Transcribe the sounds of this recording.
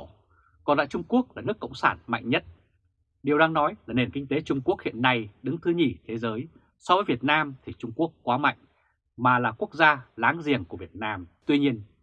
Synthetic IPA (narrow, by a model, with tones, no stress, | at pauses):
kɔ˨˩nla̰ː˧˨t͡ɕʊ˧ŋ͡mku˦˥ək̚laː˨˩nɨ˦˥əkːə̰˧˨wŋ͡msaː˧˩nma̰˧˨jŋ̟ɲə˦˥t̚ | ɗi˨˩əwɗaː˧ŋnɔ˨˦jlaː˨˩ne˨˩nkï˧ŋ̟t̪e˨˦t͡ɕʊ˧ŋ͡mku˦˥ək̚hḭ˧˨ənːa˧jɗɨ˨˦ŋt̪ʰɨ˧ɲi˧˩t̪ʰe˨˦zəː˨˦j | sɔ˧wvəː˨˦jvi˨˩ət̚naː˧mt̪ʰi˨˩t͡ɕʊ˧ŋ͡mku˦˥əkːwaː˨˦ma̰˧˨jŋ̟ | maː˨˩laː˨˩ku˦˥ək̚zaː˧laː˨˦ŋzi˨˩əŋku˧˩əvi˨˩ət̚naː˧mt̪wi˧ɲi˧ən